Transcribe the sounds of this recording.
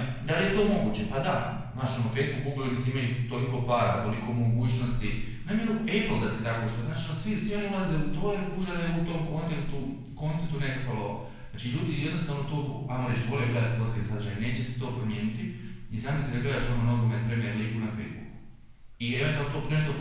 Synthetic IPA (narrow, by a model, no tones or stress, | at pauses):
d̪alijet̪o̞ːmo̞ɡuːt͡ɕepad̪a | znaːʃomofe̞jzbukuuɡolemiseimajut̪oliko̞paːɾat̪o̞liko̞mo̞ɡuːt͡ɕnost̪i | namjeɾupejbolˠd̪at̪et̪akoʃt̪onaːt͡ʃi̥osʋisʋio̞niulˠazeut̪oɾepuʒaɾeut̪o̞mko̞nt̪ent̪u | ko̞nt̪ent̪unekakolˠoo̰ | zaːt͡ʃiʎuːd̪ijed̪no̞st̪aːʋnot̪oajmoɾe̞t͡ʃboleɡled̪at̪poskaisad̪ɾʒajne̞ːt͡ɕeset̪o̞ːpɾomjeːnit̪iizaːmislid̪aɡle̞d̪aʃomonoɡomepɾemjeɾliːɡunafejzbuku̥ | ieʋe̞nt̪ualnt̪one̞ʃt̪o